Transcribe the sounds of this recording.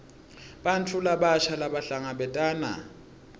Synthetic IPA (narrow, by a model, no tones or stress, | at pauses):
ɓantʰulaɓaʃalaɓaɬaŋaɓɛtʼaːna̰